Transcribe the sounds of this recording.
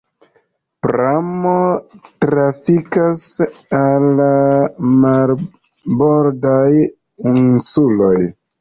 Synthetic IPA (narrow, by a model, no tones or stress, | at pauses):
pɾamotɾafikasalːamal | boɾdaj | insuloj